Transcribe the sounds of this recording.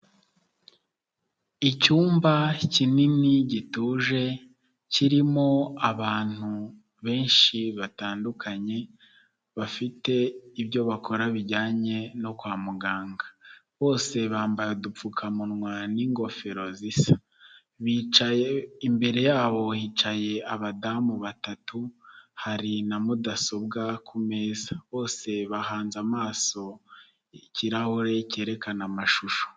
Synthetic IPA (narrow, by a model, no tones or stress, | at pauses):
icuːmbacininiɟituːʒe̞ | ciɾimo̞aβaːn̥hu | βe̞ːnʃiβataːndukʰaɲe̞ | βafite̞iβjo̞βakʰo̞ɾaβiɟaːɲe̞no̞kwaːmuɡaːŋɡa | βo̞ːse̞βaːmbajodup͡fukʰamunŋwaniːŋɡo̞fe̞ɾo̞zisḁ | βit͡ʃajeimbe̞ɾe̞jaːβo̞hiːt͡ʃaje̞aβadamuβatatuhaɾinamudaso̞bɡakʰume̞ːzaβo̞ːse̞βaɦaːnzamaːso̞ | iciɾahoɾe̞ce̞ːɾe̞kanamaʃuʃo̥